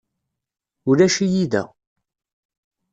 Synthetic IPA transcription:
ʊɾæʃijiðæ̰

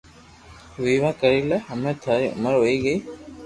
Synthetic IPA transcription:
ʋiːʋãːkəɾiːlɛɦəmẽːt̪ʰaːɾiːʔʊ̰məɾɦoːiːɡəiː

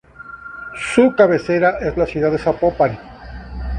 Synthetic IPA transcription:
sukaβe̞se̞ɾaʔe̞zlasjuðaðesapopaɾi

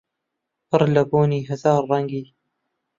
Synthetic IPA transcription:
pɨɾlɐboːniːɦɐzɑːɾːɑŋɡiː

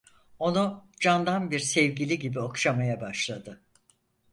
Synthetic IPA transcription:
o̞nud͡ʒand̪anbiɾsɛvɟilʲiɟibio̞kʃamajabaʃlˠad̪ɯ

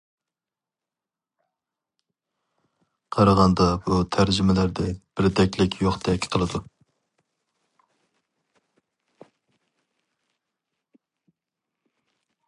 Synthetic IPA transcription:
qʰɑɾɑʁɑnd̪ɑbut̪ʰæɾd͡ʒɪmɪlæɾd̪ɛb̥ɪɾd̪ɛkʲlɪkʲʰjoχd̪ɛkʲʰːqʰəlˠɨd̪u

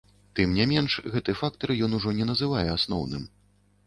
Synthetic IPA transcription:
t̪ɨmnʲamʲɛnʂɣɛt̪ɨɛfak̚t̪ɐɾjɔnuʐɔnʲɛnɐzɨvajɛasnɔ̰wnɨ̰m

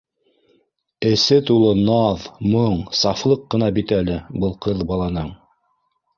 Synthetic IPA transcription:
ɘ̆sɘt̪ulˠɤnɑðmɤɴsɑflˠɤqːɤ̆nɑbit̪ælɘbɤlˠqʰɤðbɑlˠɑnɤɴ

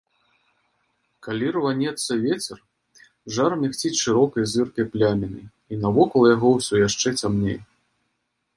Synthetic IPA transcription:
kalʲirvanʲɛt̪sːɐvʲet͡sʲɛr | ʐarmʲaxt͡sʲit͡sʲʂɨɾɔkɐjzɨrkɐjplʲamʲɛnɨ | inɐvɔkɐlˠjaɣɔwsʲɔjaʂt͡ʂɛt͡sʲamnʲḛj

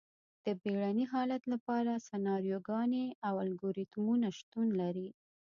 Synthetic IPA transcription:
d̪̥əbeɽaniɦɑlat̪lapɑɾasanɑɾjoɡɑneawalɡoɾit̪munaʃt̪unlaɾi

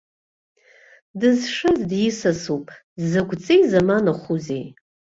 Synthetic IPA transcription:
dɨzʂɨzdjɪsasupʼ | zɨɡʷt͡sʼejzamanaχʷuzej

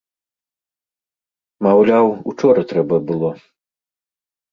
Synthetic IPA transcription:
mawlʲawut͡ʂɔɾɐt̪ɾɛbɐbɨlˠɔ

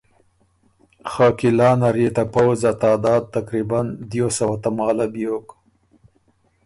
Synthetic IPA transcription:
xaːkilɑːnaɾet̪apawzat̪ɑːd̪ɑːd̪̚t̪ːakɾiband̪josawat̪amɑːlabjok

